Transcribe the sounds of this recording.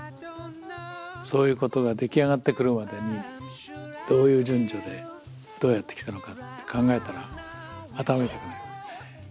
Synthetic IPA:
so̞ːjɯ̟ːko̞t̪o̞ɡad̪e̞kʲiaɡat̪ːe̞kɯ̟ɾɯ̟mad̪e̞ɲ̟i | d̪̥o̞ːjɯ̟ːd͡ʑɨ̃ɲd͡ʑo̞d̪e̞ | d̪̥o̞ːjat̪ːeki̥t̪ano̞kat̪ːe̞̥kʰãŋɡae̞t̪aɾa | at̪amaet̪ekɯ̟naɾɯ

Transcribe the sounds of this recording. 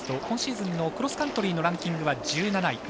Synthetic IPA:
t̪ohõɰ̃ɕiːzɨ̃nːo̞kɯɾo̞sɨ̥kãnt̪o̞ɾʲiːno̞ɾãŋkʲĩŋɡɯ̟βad͡ʑɨːnanai

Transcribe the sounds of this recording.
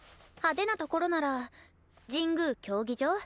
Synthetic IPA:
had̪e̞nat̪o̞ko̞ɾo̞naɾa | d͡ʑĩŋɡɯ̟ːkʲo̞ːɡʲid͡ʑoː

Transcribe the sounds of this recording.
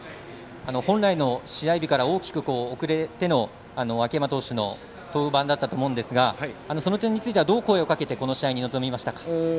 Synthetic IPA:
ano̞hõ̞nɾaino̞ɕiaibʲikaɾao̞ːkʲi̥kɯ̟ko̞ːkɯ̟ɾe̞t̪e̞no̞ | ano̞βakemat̪o̞ːɕɨno̞̰ | t̪o̞ːbãnd̪at̪ːat̪o̞ːmo̞ɯ̟̃nd̪e̞sɨɡaano̞so̞no̞t̪̬ẽ̞ɲ̟ːit͡sɨit̪ead̪o̞ːko̞ːe̞okake̞t̪e̞ko̞no̞ɕiaiɲ̟ino̞zo̞mʲimaɕi̥t̪akḁ

